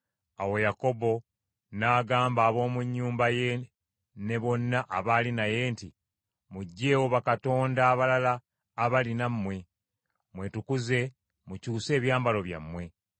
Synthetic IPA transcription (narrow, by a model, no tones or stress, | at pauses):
awo̞jako̞bo̞ | naːɡaːmbaːβo̞ːmuɲːuːmbaje̞ | ne̞βo̞nːaʔaβaːlinaje̞ːnti | muɟːeːwoβakato̞ːndaːβalalaː | βalinamːwe̞ | mwe̞tukuze̞ | mucuːse̞ːβjaːmbalo̞βja̰mːwe̞